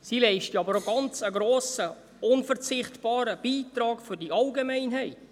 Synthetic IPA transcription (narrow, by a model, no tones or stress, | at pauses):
silɛɪʃtəɑbəɾoɡɑnt͡səɡɾoːsə | ʊnfəɾt͡sɪχtb̥ɑːɾəb̥iːtɾɑːɡfʏdiʔɑlɡemɛɪnɦɛɪt